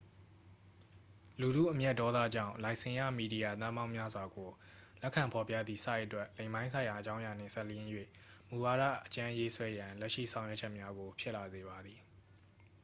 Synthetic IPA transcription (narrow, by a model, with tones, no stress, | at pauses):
lu˨ɾṵ˦˨ʔəmjɛ˦ʔ̚tːɔ˦d̪ä̰˦˨d͡ʑã̰˦˨ʊ̃lã˨ɪʔsɪ̃˨ja̰˦˨mi˨di˨ja˨t̪ã˦mã˦ʊ̃mja˦zwa˨ɡo˨ | lɛ˦kʰã˨mpʰɔ˨pjä̰˦˨d̪ði˨sa˦ɪʔətwɛ˦ʔlẽ˨ɪ̃mã˦ɪ̃sʰã˨jã˨ʔət͡ɕã˦ʊ̃ja˨n̥ɪ̰̃˦˨sɛ˦˨lə˨jɪ̃˦jwḛ˦˨ | mu˨wa˨ɾä̰˦˨ʔət͡ɕã˦je˦swɛ˦jã˨lɛ˦ʔʃḭ˦˨sʰã˨ʊ̃jwɛ˦ʔt͡ɕʰɛ˦ʔmja˦ɡo˨pʰjɪ˦ʔla˨ze˨ba˨d̪ði˨